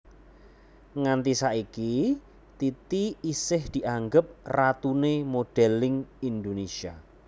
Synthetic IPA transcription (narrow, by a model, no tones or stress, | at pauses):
ŋant̪isaiki | t̪it̪iisɪhd̪̥i̤ʔaŋɡəp̚rat̪unemoɖ̥ɛlɪŋind̪onesia